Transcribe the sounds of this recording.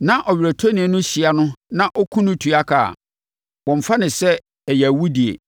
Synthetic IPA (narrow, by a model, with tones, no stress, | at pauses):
nã˦ʔɔ˨ɥʲɾæ˨tʰo˦nĩ˨ɛ˦nʊ̃˦ɕi˨a˦nʊ̃˦nã˦ʔɔ˦kʰũ˦nʊ̃˦tʰu˨a˦kʰa̰˨ | wɔ̃˨m˨fa˦nɪ̃˨sɛ˦ | ɛ˨jæ˨wu˦di˨ḛ˨